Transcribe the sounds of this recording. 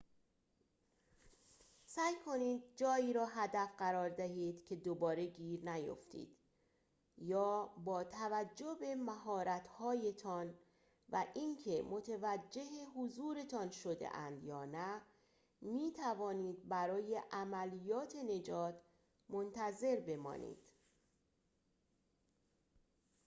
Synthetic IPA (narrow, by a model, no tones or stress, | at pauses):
sæjkʰo̞niːd̪̚d͡ʒɒːiːɾɒːɦæd̪æfɢæɾɒːɾd̪æɦiːd̪̥cʰe̞d̪obɒːɾe̞ɡiːɾnæjo̰ft̪ʰḭːd̪̥ | jɒːbɒːt̪ʰævæd͡ʒːo̞be̞mæɦɒːɾæt̪ʰhɒːje̞t̪ʰɒn | væʔiŋcʰe̞mo̞t̪ʰevæd͡ʒːe̞ɦeɦuzuːɾe̞t̪ʰɒnʃod̪ḛʔænd̪jɒːnæ | miːt̪ʰævɒːniːd̪̚bæɾɒːje̞ʔæmælijɒːt̪ʰe̞ne̞d͡ʒɒːt̪ʰ | mont̪ʰæze̞ɾbe̞mɒ̰ːnḭːd̪̥